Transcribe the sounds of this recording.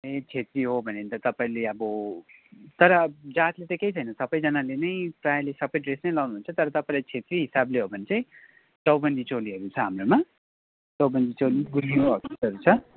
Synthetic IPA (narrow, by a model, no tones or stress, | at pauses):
et͡sʰet̪riɦobʱʌnent̪ʌt̪ʌpaĩleʌbʌ | t̪ʌɾʌd͡zat̪let̪ʌkejt͡sʰʌjnʌsʌbʌjd͡zʌnalenʌjprajlesʌbʌjɖresnʌjlawnuɦunt͡sʰʌt̪ʌɾʌt̪ʌpaĩlajt͡sʰet̪riɦisableɦobʱʌnet͡sãj̃ | t͡sʌwbʌnd̪ʱit͡soliɦʌɾut͡sʰʌɦamroma | t͡sʌwbʌnd̪ʱit͡soliɡulɡibʌkisʌɾut͡sʰʌ